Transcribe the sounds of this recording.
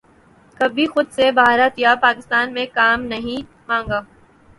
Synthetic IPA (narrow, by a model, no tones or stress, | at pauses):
kɐbʱixʊd̪sebaːɾat̪japaːkɪst̪aːnmẽkaːmnɐɦĩ | mãːŋɡaː